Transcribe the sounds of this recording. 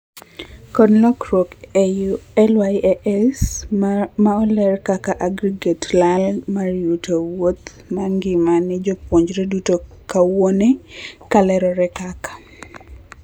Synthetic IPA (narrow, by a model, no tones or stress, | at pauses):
kɔnlɔkɾok | ɛlwajʔɛs | maɔlɛrkakaʔaɡɾiɡetlalmarjutowot̪ | maŋɡɪmanɪd͡ʒɔpwoɲd͡ʒɾedutokawonekalɛɾɔɾɛkakḁ